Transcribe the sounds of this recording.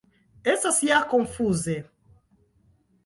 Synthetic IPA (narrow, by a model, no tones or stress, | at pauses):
ɛsasiakɔɱfuzɛ